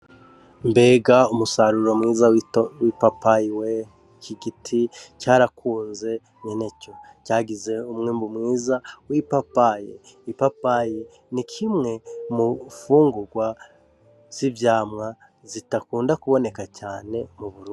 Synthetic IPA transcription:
mbe̞ːɡaumusaɾuɾo̞mŋiːzawipapajiwe | kʰiɡitʰicaːɾakʰuːnze̞ | ɲene̞co̞caːɡize̞umŋiːmbumŋiːzawipapajḛ | ipapaji | nikʰimŋe̞mufuːŋɡuɾɡwa | z̥ivjaːmŋa | zitakuːndakuβo̞ne̞kacaːne̞muβuɾuː

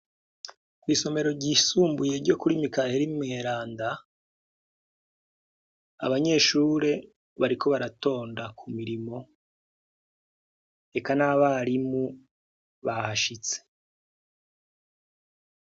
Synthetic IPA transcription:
kwiːso̞me̞ɾo̞ɾɟiːsuːmbuje̞ɾɟo̞kuɾimikaheɾimŋeːɾaːnda | a̰βaɲe̞ʃuːɾe̞ | βaɾikʰo̞βaɾato̞ːndakʰumiɾimo̞ | e̞kanaβaɾimu | βahaʃit͡se̥

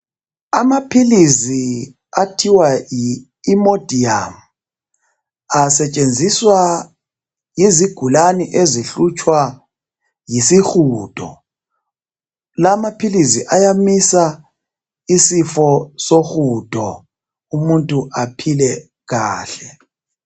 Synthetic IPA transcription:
amapʰilisi | atʰiwajiː | mod̥ʱiam̩ | asɛt͡ʃʼend͡zʱiswa | jiziɡ̥ʱulaniʔeziɬut͡ʃʼwa | jisixuːd̥ʰʱʼɔ̰ | lamapʰilisiʔajamisa | isifɔsoxud̥ʱʼɔ | umuntʼuʔapʰilɛ | ɣaːɬɛ

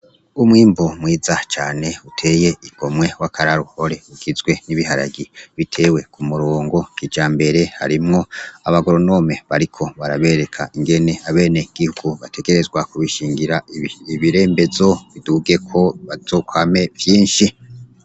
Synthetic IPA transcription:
umŋiːmbumwiːzat͡ʃaːne̞utʰe̞ːje̞iɡ̥o̞mŋe̞wakʰaɾaɾuho̞ɾe̞uɡizɡwe̞niβihaɾa̰ɡiβitʰe̞we̞kʰumuɾo̞ːŋɡo̞kid͡ʒaːmbe̞ɾe̞ha̰ɾimŋo̞aβaɡoɾono̞me̞βaɾikʰo̞βaɾaβe̞ːɾe̞kʰaʔiŋɡe̞ne̞aβe̞ːne̞ɡ̥ihuɡ̥uβatʰe̞ɡe̞ɾe̞zɡwakuβiʃiːŋɡiɾaiβiɾe̞ːmbe̞zo̞βiduɡe̞kʰo̞βazo̞ːkwame̞vjiːnʃi

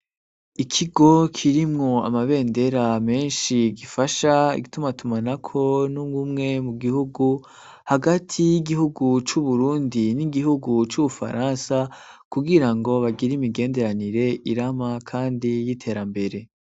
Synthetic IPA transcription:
ikʰiɡo̞kʰiɾimŋo̞a̰maβe̞ːnde̞ɾame̞ːnʃiɡifaʃaḭɡitumatumanakʰo̞nuɡumŋe̞muɡihuɡu | haɡatʰijiɡihuɡut͡ʃuβuɾuːndiniɡihuɡut͡ʃuβufa̰ɾʔaːnsakuɡiɾaŋɡo̞βaɡiɾimiɡe̞ːnde̞ɾaniɾe̞ʔiɾamakʰaːndijitʰe̞ːɾambe̞ɾe̞

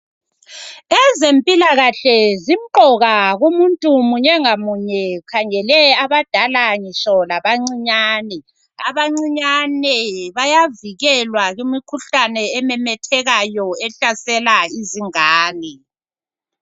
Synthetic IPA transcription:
ɛzempʼilaɣaɬɛzim̩ǃɔɣaɣumuntʼumuɲɛŋamuɲɛkʰaŋɛlɛaβad̥ʱalaŋiʃɔlaβaŋ͡ǀiɲaːnɛ | aβaŋ͡ǀiɲanɛβajaviɣɛlwaɣimikʰuɬanɛːmɛmɛtʰɛɣajɔɛɬasɛlaiziŋaːnɛ

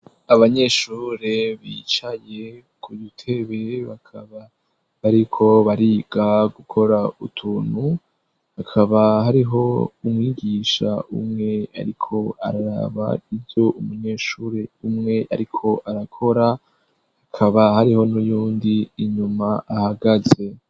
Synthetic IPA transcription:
aβaɲe̞ʃuːɾeβit͡ʃaje̞ | kʰujutʰe̞βe̞βakʰaβa | βaɾikʰo̞βaɾibɡaɡukʰo̞ɾaṵtʰuːn̥hu | hakʰaβaɦaɾiɦo̞umŋiːɡiːʃa̰ʔṵmŋe̞a̰ɾikʰo̞a̰ɾaɾa̰βa̰ivjo̞ʔumuɲe̞ːʃuːɾe̞umŋe̞ʔaɾikʰo̞ʔaɾakʰo̞ɾa | hakʰaβahaɾiho̞nujuːndiːɲumaːhaɡaze̞

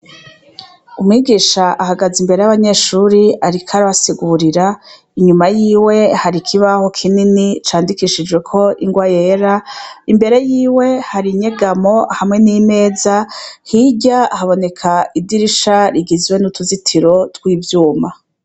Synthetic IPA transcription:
umŋiːɡiːʃaʔaɦaɡazimbeɾe̞jaβaɲe̞ːʃuɾiaɾikʰaɾaβasiɡuɾiɾa | iɲumajiːwe̞haɾikʰiβaho̞kʰininit͡ʃaːndikiʃid͡ʒɡwe̞kʰo̞ʔiŋɡwaje̞ɾaimbe̞ɾe̞jiːwe̞haɾiɲeɡamo̞hamŋe̞nime̞ːzahiɟaːhaβo̞ne̞kʰaidiɾiʃaɾiɡizwe̞nutuzitʰiɾo̞twiːvjuːma

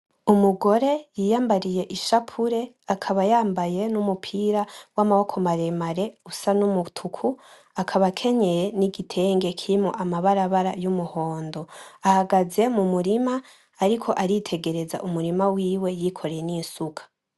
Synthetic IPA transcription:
umuɡo̞ɾe̞jiːjaːmbaɾije̞ʔiʃapʰuɾe̞ | akʰaβajaːmbaje̞numupʰiːɾawamaho̞kʰo̞maɾe̞maɾe̞usanumutʰukʰu | akʰaβakʰe̞ɲe̞jeniɡitʰe̞ːŋɡe̞kʰiɾimo̰ʔamaβaɾaβaɾajumuho̞ːndo̞ahaɡaze̞mumuɾimaː | ɾikʰo̞ʔaɾitʰe̞ɡe̞ɾe̞za̰ʔumuɾimawiːwe̞jikʰo̞ɾejeniːnsukʰḁ

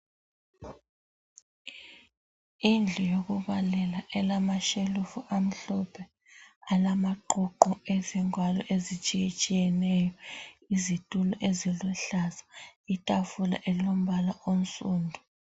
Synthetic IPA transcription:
ind͡ɮʱɔjok̬uɓalɛlaʔɛlamaʃelufuʔam̩ɬɔpʰɛ | alamaǃɔǃɔɛziŋwalɔʔezit͡ʃʼijet͡ʃʼijɛnɛjɔizitʼulɔʔeziluɬazḁitʼafula̰ʔɛlom̩ɓalaʔon̩sʼuːndʱu

